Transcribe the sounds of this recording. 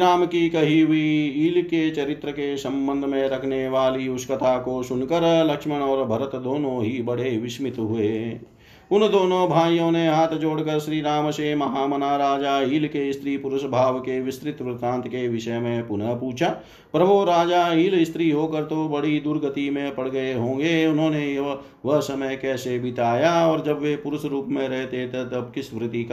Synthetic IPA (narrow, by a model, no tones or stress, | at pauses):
ɾaːmkikɐɦiɦʊiiːlket͡ʃɐɾɪt̪ɾəkesɐ̃mbə̃nd̪ʱmẽɾɐkʰneʋaːliʊskət̪ʰaːkoʃʊnkəɾlɐkʃməɳ̃ɔːɾbʱɐɾət̪d̪oːnõːɦibɐɽ̤eʋɪʃmɪt̪ɦʊeː | ʊnd̪oːnõbʱaːjõːneɦaːt̪ʰd͡ʒoːɽkəɾʃɾiːɾaːməʃemɐɦaːmɐnaːɾaːd͡ʒaːiːlkeɪst̪ʰɾiːpʊɾʊʃbʱaːʋkeʋɪst̪ɾɪt̪ʋɾɪt̪ãːnt̪ʰkeʋɪʃəmẽpʊnəpuːt͡ʃʰaː | pɾɐbʱuɾaːd͡ʒaiːlɪst̪ɾiɦoːkəɾt̪obɐɽid̪ʊɾɡət̪imẽpɐɽ̤ɡəeɦõːŋ̆ɡeʊnɦõːne | ʋəɦsɐməjkɛːsebɪt̪aːjaɔːɾd͡ʒɐbʋepʊɾʊʃɾuːpmẽɾɛɦt̪et̪ʰɛ̃t̪ɐbkɪsʋɾɪt̪ik